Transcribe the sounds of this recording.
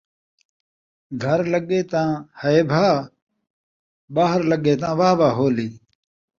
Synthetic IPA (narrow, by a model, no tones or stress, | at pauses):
ɡʱəɾləɡeːt̪ãːhəeːbʱaː | baːɦəɾləɡeːt̪ãːʋaːʋaːɦoːliː